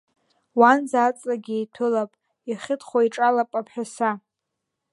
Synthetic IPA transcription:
wanzat͡sʼlaɡʲejtʰɨlapʼ | iχʲɪtʰχʷaiʈ͡ʂʼalapʼapʰħᶣasa

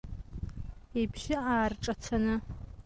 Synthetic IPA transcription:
ipʰʃɪaːrʈ͡ʂʼat͡sʰanɨ

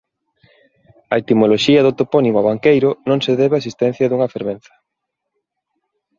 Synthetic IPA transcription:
ɐet̪imoloʃiɐðot̪oponimaβaŋkejɾʊnõŋseðɛβeaesist̪ɛn̟θjɐðuŋɐfeɾβen̟θɐ̥

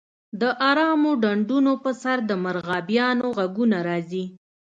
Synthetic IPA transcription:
d̪əʔɑɾɑmoɖaɳɖunopəsaɾd̪əmaɾɣɑbjɑnoɣaɡunaɾɑzi

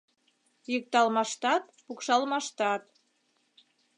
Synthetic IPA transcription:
jək̚t̪ɑlmɑʃt̪ɑt̪̚pukʃɑlmɑʃt̪ɑt̪

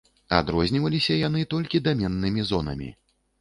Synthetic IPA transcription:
a̰d̪ɾɔzʲnʲivɐlʲisʲɐjan̪ɨt̪ɔlʲkʲid̪amʲɛnːɨmʲizɔnɐ̰mʲḭ

